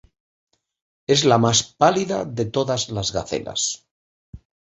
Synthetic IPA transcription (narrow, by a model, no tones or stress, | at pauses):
e̞zlamaspaliða̰ðe̞t̪oðazlazɣaθe̞̰la̰s